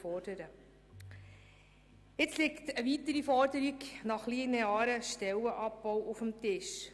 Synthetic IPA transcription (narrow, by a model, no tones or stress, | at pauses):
ɔɾd̥əɾə | ɪt͡slɪktəʋiːtəɾifɔɾdəɾiknɑχlineɑːɾəʃtɛwəʔɑp̚bɔwʔʊfəmtɪʃ